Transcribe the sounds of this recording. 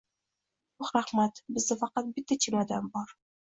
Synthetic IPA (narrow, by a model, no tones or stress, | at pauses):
ʊχɾaχmat̪bɪzd̪afɑqɑt̪̚bɪt̪ːat͡ʃʰilad̪ambɒɾ